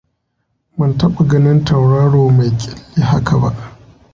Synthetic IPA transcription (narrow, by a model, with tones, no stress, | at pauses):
mɐ˦ntɐ˦ɓa˨ɡɐ˦nɪ˦ntɐ˨wɽaː˦ɽoː˨ma˨jkʲʼɪ˦lːi˦ha˦ka˨ba˦ʔ